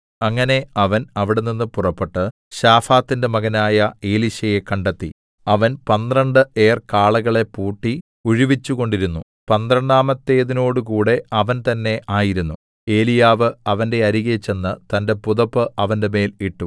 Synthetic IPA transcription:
ɐŋːɐne̞ɐʋɐnɐʋiɽe̞ninːɨpurɐpːeʈːɨ | ɕaːfaːt̪ːinde̞mɐɣɐnaːjɐe̞ːliɕɐje̞kɐɳɖɐt̪ːḭ | ɐʋɐnpɐnd̪rɐɳɖɨʔe̞ːrkaːɭɐɣɐɭe̞puːʈːi | uɻiʋit͡ɕːuɣo̞ɳɖiɾunːu | pɐnd̪rɐɳɖaːmɐt̪ːe̞ːðino̞ːɽukuːɽe̞ɐʋɐnt̪ɐnːe̞ʔaːjiɾunːu | e̞ːlijaːʋɨɐʋɐnde̞ɐɾiɣet͡ɕːe̞nːɨt̪ɐnde̞puðɐpːɨʔɐʋɐnde̞me̞ːliʈːu

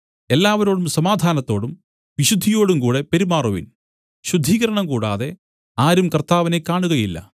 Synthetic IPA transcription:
e̞lːaːʋɐɾo̞ːɽumsɐmaːd̪ʱaːnɐt̪ːo̞ːɽum | ʋiɕud̪ʱːijo̞ːɽumkuːɽe̞peɾimaːruʋḭn | ɕud̪ʱiːɣɐɾɐɳɐmkuːɽaːðe̞ | aːɾumkɐrt̪aːʋɐne̞kːaːɳuɣɐjilːɐ̰

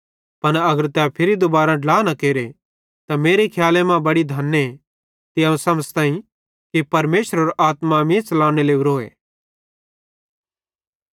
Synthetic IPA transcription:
pɐnɐɡəɾt̪ɛpʰɪɾid̪obaːɾaɖlaːnɐkeːɾe | t̪ameːɾekʰjaːlemãbɐɽid̪ʱɐnːe | t̪iɐ̃ũsɐməd͡zt̪ãːĩ | kipɐɾmeːsəɾoɾʔaːt̪mãmĩt͡ʃɐlaːɽ̃eleːũɾoːḛː

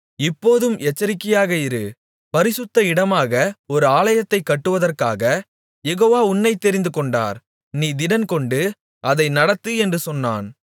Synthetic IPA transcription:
ɪpːoːðɯmɛt͡ʃːɐɾɪkːɪjaːɣɐɪɾɯ | pɐɾɪsɯt̪ːɐɪɽɐmaːɣɐɔɾɯaːlɐjɐt̪ːɐɪkːɐʈːɯʋɐðɐrkaːɣɐ | jɛɣoːʋaːʊnːɐɪt̪ːɛɾɪnd̪ɯkɔɳɖa̰ːɾ | niːd̪ɪɽɐnkɔɳɖɯ | ʔɐðɐɪnɐɽɐt̪ːɯɛndrɯsɔnːa̰ːn

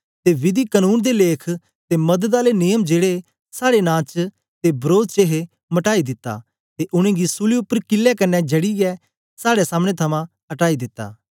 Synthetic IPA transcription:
t̪eʋɪd̪ikənuːnd̪eleːkʰ | t̪emɐd̪ət̪aːlenɪjəmd͡ʒeːɽe | saːɽenãːt͡ʃ | t̪ebɾoːd̪t͡ʃeːɦe | mɐʈaːid̪ɪt̪ːa̰ː | t̪eʔʊɽ̃ẽːɡisʊliʊpːəɾkɪlːɛkɐnːɛd͡ʒɐɽiɡɛ | saːɽesaːməɽ̃et̪ʰɐmã | ɦɐʈaːid̪ɪt̪ːa̰ː

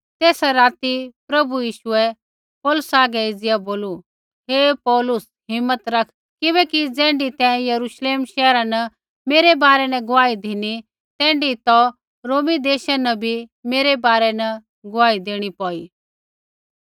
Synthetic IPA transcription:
t̪eːsaɾaːt̪ipɾɐbujiːʃuɛ | pɔːlʊsaːɡɛɪd͡zɪjaboːlu | ɦepɔːlʊs | ɦɪmːət̪ɾɐkʰ | kɪβɛːkid͡zɛ̃ːɳɖit̪ɛ̃jɐɾuʃleːmʃɛːɾãnɐ | meːɾebaːɾɛnɛɡʊaːid̪ʱɪni | t̪ɛ̃ːɳɖit̪ɔ | ɾoːmid̪eːʃanɐbʱimeːɾebaːɾɛnɛ | ɡʊʋaːid̪eːɽ̃ipɔːi

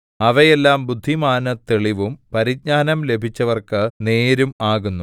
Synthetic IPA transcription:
ɐʋɐjelːaːmbud̪ʱːimaːnɐt̪eɭiʋumpɐɾiɡ̚ɲaːnɐmle̞bʱit͡ɕːɐʋɐrkɨne̞ːɾumaːɣunːu

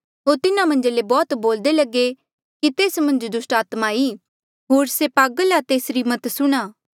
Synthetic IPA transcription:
ɦoːɾt̪ɪnamɐ̃nd͡ʒlebɔːt̪boːld̪elɐɡe | kit̪eːsmɐ̃nd͡ʒd̪ʊsʈaːt̪maiː | ɦoːɾsepaːɡəlat̪eːsɾimɐt̪sʊɽ̃aː

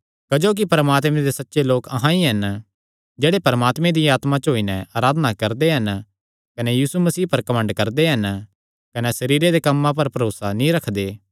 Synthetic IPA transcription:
kɐd͡ʒoːk̬ipɐɾəmaːt̪mẽd̪esɐtːʃeloːkɐɦãiɦɐn | d͡ʒeːɽepɐɾəmaːt̪mẽd̪iaːt̪mãt͡ʃɦoːinɛaːɾaːd̪ənakɐɾd̪eɦɐn | kɐnɛjiːsumɐsiːpɐɾkɐmə̃ɳɖkɐɾd̪eɦɐn | kɐnɛsɐɾiːɾed̪ekɐmːãp̬ɐɾpɐɾoːsanĩɾɐkʰd̪eː

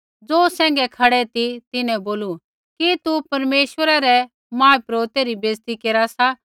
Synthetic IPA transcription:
d͡zoːsɛ̃ːŋɡɛkʰɐɽɛt̪it̪ɪnɛ̃boːlu | kit̪upɐɾmeːʃʋəɾaɾɛ | mãːpɾoːt̪eɾibeːst̪ikeːɾasa

